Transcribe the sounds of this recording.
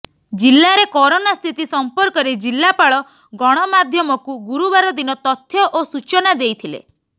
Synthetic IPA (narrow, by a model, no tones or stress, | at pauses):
d͡ʒilːaɾekɔɾonast̪ʰit̪isɔmpɔɾkɔɾed͡ʒilːapaɭɔ | ɡɔɽ̃ɔmad̪ʱjɔmɔkuɡuɾubaɾɔd̪inɔt̪ɔt̪ʰːjɔʔosut͡ʃɔnad̪ejt̪ʰilḛ